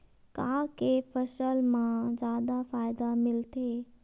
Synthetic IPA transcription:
kãːkefəʃəlmãzaːd̪afaːjd̪amɪlt̪eː

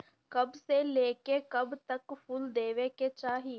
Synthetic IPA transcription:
kəbseleːkekəbt̪əkpʰuld̪eːʋeket͡ʃaːɦiː

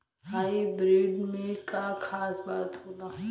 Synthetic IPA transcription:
haːibɾeːɖmẽkakʰaːsbaːt̪ɦoːlaː

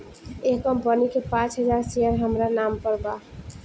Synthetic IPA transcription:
ekːəmpənikepãt͡ʃɦəd͡ʒaɾsejəɾɦəmɾanampəɾba

